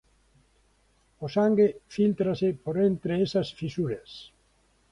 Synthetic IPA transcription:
osaŋɡefilt̪ɾasɪpoɾent̪ɾeesɐsfisuɾes

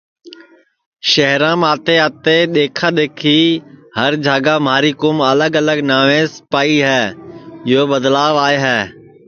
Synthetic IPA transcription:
ʃəɦɾãːmaːt̪eːət̪eːɗ̪eːkʰãːɗ̪eːkʰiːhəɾd͡ʒʱaːɡaːmaːɾiːkʊmələɡələɡnaːʋẽːspaːiːɦɛːɪɦoːbəd̪laːʋaːeɦɛː

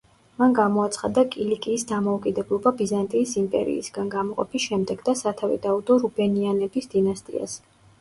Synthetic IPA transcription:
manɡamɔat̪sʰχad̪akʼilikʼiːsd̪amɔukʼid̪ɛblˠɔbabizant̪ʼiːsimpʼɛ̰ɾḭːsɡanɡamɔqʼɔ̰pʰisʃɛmd̪ɛɡd̪asat̪ʰavḭd̪aud̪ɔɾubɛnianɛbisd̪̥inast̪ʼḭa̰s

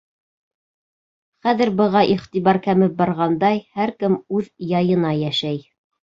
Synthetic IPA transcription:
χæðɘ̆ɾbɤ̆ʁɑʔiχt̪iβɑɾkæmɘp̚bɑɾʁɑnd̪ɑjhæɾkɘmʉðjɑjɤ̆nɑjæʃæj

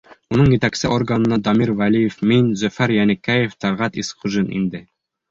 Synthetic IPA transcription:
unɤɴjɘ̆t̪æksɘʔorɡanɤ̆nɑd̪ɑmiɾvælʲijefminzɵ̆fæɾjænɘ̆kæjeft̪ɑɾʁɑt̪isχuʒinḭnd̪ɘ

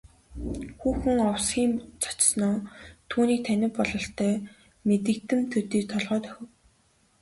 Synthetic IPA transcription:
xuːxɘ̆ŋɔwsɡʲiːmt͡sʰḁt͡ɕsnɔːt̪ʰuːniːk̚t̪ʰænʲɪ̆mpɔɮɞ̆ɬt̪ʰœː | met̪ɘ̆kt̪ɘ̆mt̪ʰɵt̪iːk̚t̪ʰɔɮʁœːt̪œ̥xʲɪ̆w

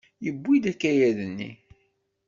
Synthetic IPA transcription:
jəbːid̪ækːæjæðənːḭ

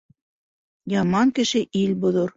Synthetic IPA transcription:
jɑmɑŋkɘ̆ʃɘʔilʲbŭðoɾ

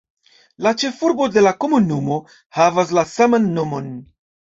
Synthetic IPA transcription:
lat͡ʃe̞fuɾbo̞de̞lako̞munumo̞ | havas̬lasamanːo̞mo̞n

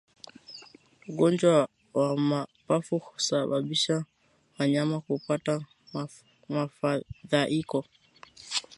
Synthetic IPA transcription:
uɡɔnd͡ʒwa | wamapafuku̥saɓaɓiʃa | waɲamakupata | mafaðaʔikɔ

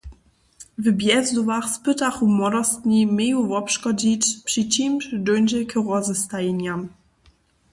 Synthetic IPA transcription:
vbjɛzd̪uvaxspɨt̪axumɔɾɔst̪ɲʲimʲejuvɔpʂkɔd͡ʑit͡ɕpʂit͡ɕimʃdɔnʲd͡ʑɛkʰəʁɔzəst̪ajeɲam

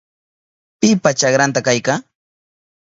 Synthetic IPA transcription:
pɪpat͡ʃaχɾant̪akajka

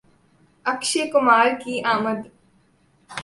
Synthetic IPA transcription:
ɐkʃekʊmaːɾkiʔaːməd̪

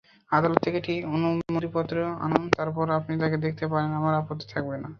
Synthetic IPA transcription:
ad̪alɔt̪ːʰekeʈionumoɾipɔt̪ːɾoa̰nont̪aɾpɔɾapnit̪aked̪ekʰt̪epaɾenamaɾapot̪ːi̥t̪ʰak̚bena

